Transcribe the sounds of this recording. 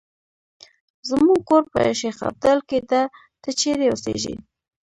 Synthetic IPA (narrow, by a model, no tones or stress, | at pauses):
zmuɡ̚koɾpə̰ʃexa̰ɾd̪əlket̪a | t̪ət͡ʃeɾeosḛʒḭ